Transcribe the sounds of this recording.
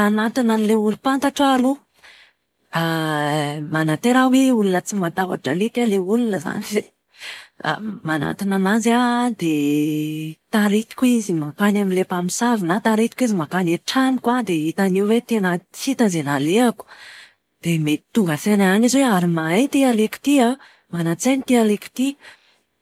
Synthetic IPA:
anat̪inanileulupant̪aʈ͡ʂalu | a | manat̪eɾaweulunət͡simat̪ava̰ʈ͡ʂalit̪aleulunəza̰nize | a̰mana̰t̪inanazad̪e | t̪aɾit̪i̥kuizimakanamilepamisavinat̪aɾet̪i̥kizimakaneʈ͡ʂanikwad̪eit̪aniwwet̪enəhit̪azenaleaku̥ | d̪̥emei̥t̪uɡəfenaanizweaɾimaet̪ialeki̥t̪ia | manat͡senit̪ealeki̥t̪i

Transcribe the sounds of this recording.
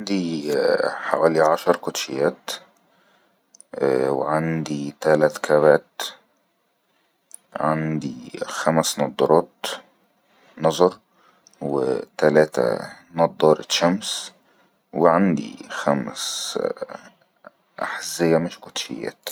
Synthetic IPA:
ʕand̪i | ħa̰wæːliʕaʃɑɾˤkʊt̪ʃɪjːæːt̪ | wɪ̰ʕand̪it̪ælat̪kʰæːβæːt̪ | ʕand̪ixæmsnɑd̪ˤːɑɾˤɑːt̪ | nɑzˤɑɾˤ | wɪ̰t̪ælæːt̪æ̰ | nɑd̪ˤːɑːɾˤɪʃæms | wɪʕand̪ḭxæms | ʔa̰ħazːɪjːæmɪʃkʊt̪ʃɪ̰jːæ̰ːt̪

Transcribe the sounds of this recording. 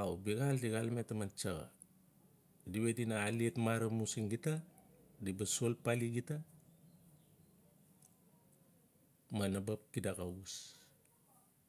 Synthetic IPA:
awbiɡaldiɡalmetamant͡ʃaɡa̰ | diwetinaːlietmaɾamusiŋɡitadibasolpaliɡita | manabap̚kidakawus

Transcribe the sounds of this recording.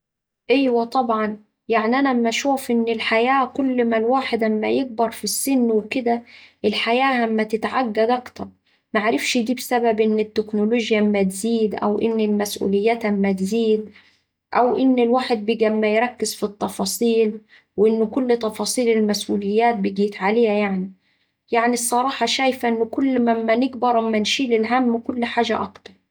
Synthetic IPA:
ʔejwæt̪ˤɑbʕɑn | jaʕniʔænæmæʃuːfʔɪnːɪlħajæːkʊlːmælwaːħed̪æmːæjɪɡ̚bɑɾˤfisːɪnːwekɪd̪æʔɪlħajæːhamːæt̪ɪt̪ʕaɡːæd̪ʔɑkt̪ɑɾˤ | maʕɾɪfʃd̪iːbsæbæbʔɪnːɪt̪ːeknoloːʒjæmːæt̪ziːd̪ʔæ̰wʔɪ̰nːɪlmæsʔṵːlɪjːæːt̪hæmːæt̪ziːd̪ | ʔawʔɪnːɪlwaːħɪd̪̚bɪɡamːajɾˤɑkːɪzfit̪ˤːɑfɑːsˤiːl | wʔɪnːʊkʊlːt̪ˤːɑfɑːsˤiːlɪlmasʔuːlɪjːaːt̪̚bɪɡiːt̪ʕaleːhajaʕni | jaʕnisˤːɑɾˤɑːħɑʃaːjfaʔɪnːʊkʊlːmamːanɪɡbɑɾˤʔamːanʃiːlɪlɦamːkʊlːħaːʒaʔɑkt̪ɑɾˤ

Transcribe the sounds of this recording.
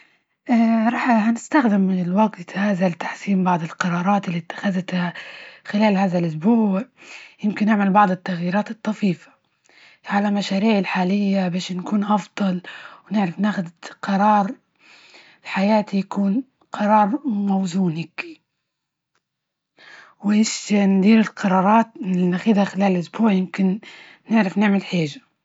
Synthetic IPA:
ʔaɾˤɑːħhanɪst̪axd̪ɪmːɪnɪlwaɡtt̪haːðalt̪ḁħsiːmbɑʕd̪ˤɪlqɑɾˤɑːɾˤɑːt̪ɪlːit̪ːḁxaðt̪haxɪlaːlhaːðalʔʊsbuːʕjɪmkɪnːɪʕmalbɑʕd̪ˤɪt̪ːaɣjiːɾɑːt̪ɨt̪ˤːɑfiːfḁ | ʕalalmaʃaːɾiːʕɪlħaːlɪjːabaːʃnkuːnʔɑfd̪ˤɑlwnɪʕɾɪfnaːxʊd̪qɑɾˤɑːɾˤ | ħajaːt̪ijakuːn | qɑɾˤɑːɾˤmawzuːnɪk | wɪʃnd̪iːɾɪlqɑɾˤɑːɾˤɑːt̪ːaxɪðaxɪlaːllʔʊsbuːʕjɪmkɪnː | ɪʕɾɪfnɪʕmɪlħeːʒḁ

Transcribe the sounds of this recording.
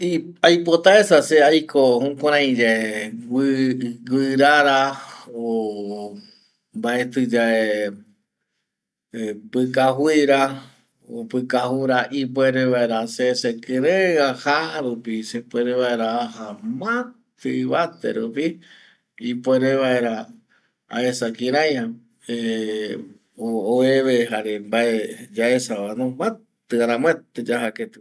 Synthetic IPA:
i | ajpot̪aesaseajkohõkʷãɾ̃ãj̃d͡ʒaeɡɨɡɨɾaɾao | mbaet̪ɨd͡ʒae | epɨkaɦwiɾa | o̰pɨkahuɾaʔipweɾeβaeɾasesekɨɾẽãhahaɾupisepʷeɾeβaeɾaaɦamãt̪ɨβat̪ḛɾupi | ipʷeɾeβaeɾa | a̰esakĩɾãjã | e | oːeβeɦaɾembaed͡ʒaesaβanõmet̪ɨaɾãmwet̪ed͡ʒaɦaket̪ɨ

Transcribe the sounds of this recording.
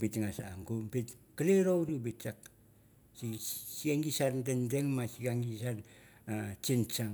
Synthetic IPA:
pitŋasa̰ŋɡumpitkaleɾowɾubit͡ʃak̚ | sisiaŋɡisandendeŋmasiɡaŋɡisanat͡ʃint͡ʃaŋ

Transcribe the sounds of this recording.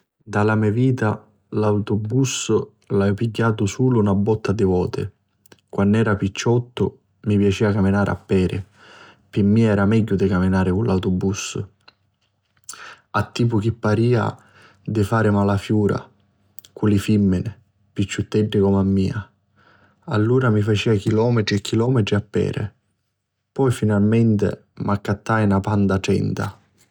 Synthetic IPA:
d̪alamɛviːt̪a | lawt̪ʊbus | lapiɟːaːt̪ʊsuːlʊunabːɔt̪ːad̪ɪvɔːt̪ɪ̰ | kwanːɛːɾapit͡ʃːɔt̪ːʊ | mipjat͡ʃiːakamɪnaːɾʔa̰pːɛːɾɪ̰ | pɪmːiːɛːɾamɛɟːʊd̪ɪkamɪnaːɾɪkunlawt̪ʊbusʊ̰ | at̪ːiːp̬ʊk̟ipːaɾiːa̰ | d̪ɪfaːɾɪmalafjuːɾa̰ | kulɪfimːɪnɪ | pit͡ʃːut̪ːɛɖːɪkɔmamːiːa | a̰lːuːɾamifat͡ʃiːak̟ilɔːmɪt̪ɾiɛkʰːilɔːmɪt̪ɾiapːɛ̰ːɾɪ̰ | pɔjfinalmɛnt̪ɪ̰ | mʔakːat̪ːajnapand̪aʈɛ̰nt̪a̰

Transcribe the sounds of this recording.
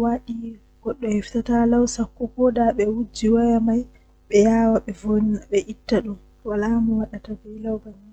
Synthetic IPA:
waɗi | ɡ̥ɔɗːɔhɛftatalawsakːukɔdaɓɛwud͡ʒiwajamaj | ɓɛjawaɓɛvonɓɛʔitːaɗum | walamɔwaɗatabɛjlawbanin

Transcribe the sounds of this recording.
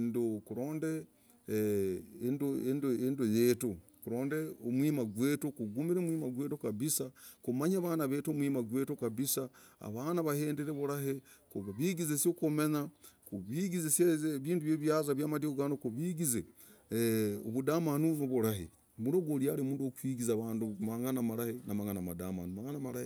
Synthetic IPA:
ndokuɾo̞ːnde | ndoendoendojeːto | kuɾoːndeomwiːmaɡwe̞ːtokuɡumiɾemwiːmaɡwe̞ːtokaβisakumaɲaβanaβeːtomwimaɡwe̞ːtokaβisaa̰βaːnaβaheːndeɾeβuɾaɦekuβaβiɡizesjokome̞ɲakuβiɡizesjeβiːnduβjeːβjazaβjaːmadikoɡanokuβiɡize | o̰βudamanunoβuɾaɦḛ | muɾoɡoliaːɾimuːndokwiːɡizaβaːndumaŋanamaɾahenamaŋanamada̰ma̰numaŋanamaɾahe

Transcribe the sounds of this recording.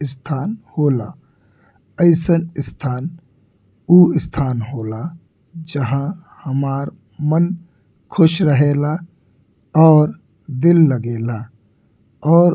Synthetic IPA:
ɪst̪ʰaːnhoːlaː | əɪsənɪst̪ʰaːn | uːɪst̪ʰaːnɦoːla | d͡ʒəɦã | həmaːɾ | mən | kʰʊʃɾəɦeːla | ɔːɾ | d̪ɪlːəɡeːla | ɔːɾ

